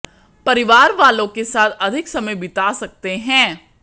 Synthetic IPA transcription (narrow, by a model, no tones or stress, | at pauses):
pɐɾɪʋaːɾʋaːlõkesaːt̪ʰɐd̪ʱɪksɐməjbɪt̪aːsɐk̚t̪eɦɛ̃ː